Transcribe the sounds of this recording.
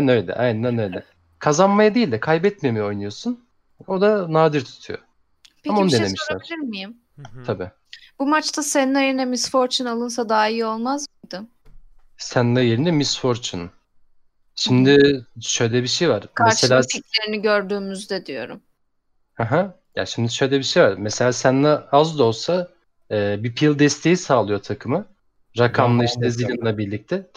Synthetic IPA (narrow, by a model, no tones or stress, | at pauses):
nø̞jlʲɛ̰ʔa̰j̪nænøjlʲɛ | kʰazanmajad̪ejilʲd̪ɛkʰajbɛt̪̚memejɛo̞jnujo̞sun | o̞d̪anaːd̪iɾt̪ʰu̥t̪ʰṵjo̰ | peamaonud̪eemiʃlʲæ̰ɾilʲiɾmijim | t̪ʰabiː | b̥umat͡ʃt̪ʰaseninajeɾinɛmisfo̞ɾt͡ʃʰɯnalˠɯns̬ad̪aːijo̞lˠmazmɯjd̪ɯ | sænnajeɾinɛmisfoɾt͡ʃʰɯn̰ | ʃimd̪ɪʃø̞jlʲɛbiʃejvaɾkmʰaeselʲaːiclʲe̞ɾiniɟøɾd̪yːmyzd̪ɛd̪ijo̞ɾṵm | haɦa | ja̰ʃimd̪iʃø̞jlʲɛbiʃejvaɾmeselʲaːsænlaazd̪o̞lˠsa | ɛːbipʰilˠd̪ɛst̪ʰe̞jisaːlˠɯjo̞t̪ʰakʰɯmɯ | ɾakʰamlˠɯiʃt̪ʰɛzilʲɯnlˠabiɾlʲic̚t̪ʰɛ